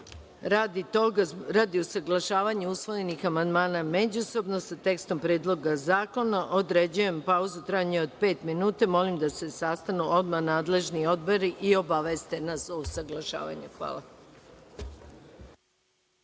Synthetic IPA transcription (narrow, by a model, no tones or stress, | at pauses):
ɾaːd̪it̪oɡaɾad̪iosaɡlˠaʃaːʋaɲeusʋo̞je̞nixamand̪maːname̞d͡ʑuso̞bno̞sat̪e̞kst̪o̞mpɾed̪lˠo̞ɡazaːko̞naʔo̞d̪ɾe̞d͡ʑuje̞mpauzut̪ɾaɲeo̞d̪pe̞ːt̪minuːt̪amo̞limd̪ase̞sast̪anuo̞d̪manaːd̪le̞ʒnio̞d̪bo̞ɾiʔio̞baʋest̪e̞nasousaɡlˠaʃa̰ːʋa̰ɲexʋa̰ːla